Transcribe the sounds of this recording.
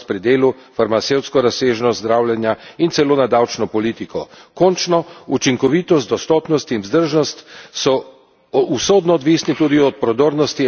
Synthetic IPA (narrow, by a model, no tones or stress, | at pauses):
pɾid̪eːlufaɾmat̪sewt̪skɔɾaseːʒnɔt̪zd̪ɾaːwljɛnjaint̪sɛloːnad̪awt͡ʃnɔpɔliːt̪ikɔkɔnt͡ʃnɔut͡ʃiŋkɔʋiːt̪ɔst̪̚d̪ɔst̪ɔpnɔst̪inwzd̪əɾʒnɔst̪sɔ | usoːd̪nɔːd̪ʋiːsnit̪uːd̪iɔt̪̚pɾɔd̪oːɾnɔst̪i